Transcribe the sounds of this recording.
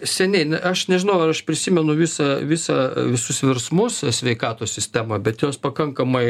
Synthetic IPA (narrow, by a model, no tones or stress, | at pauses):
sʲɛnʲɛɪnʲɐʃnʲɛʒʲɪnɐʊɐɾɐʃpʲɾʲɪsʲimʲɛnʊʋʲisɐʋʲɪsɑʋʲɪsʊsʋʲɪrsmʊssʲʋʲɛɪkɑːt̪oːsʲsʲɪsʲt̪ʲæːmɐbʲɛt̪joːspɐkɐŋkɐmɐɪ